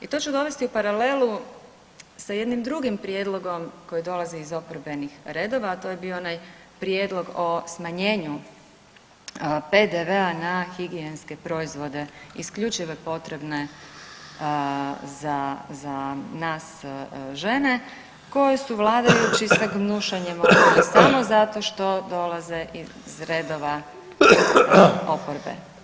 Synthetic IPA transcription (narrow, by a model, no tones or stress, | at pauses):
it̪o̞t͡ʃud̪o̞ʋe̞st̪iupaɾale̞lu | saje̞d̪nimd̪ɾuɡimpɾje̞d̪lˠo̞ɡo̞mko̞jid̪o̞laziizo̞poɾbe̞nixɾe̞d̪o̞ːʋaːt̪o̞jebioonaj | pɾje̞d̪lˠo̞ɡo̞smaɲe̞ːɲu | pe̞d̪eʋe̞anaxiɡienske̞pɾo̞izʋo̞d̪e̞ḭskʎut͡ʃiʋopo̞t̪ɾe̞bne̞ | zazanaːsʒe̞ne̞ | ko̞jesuʋlˠaːd̪ajut͡ɕissaɡnuʃaɲemooɾasamo̞zat̪o̞ʃt̪o̞d̪o̞lˠazeʔi | zɾe̞d̪oʋa | opoɾbḛ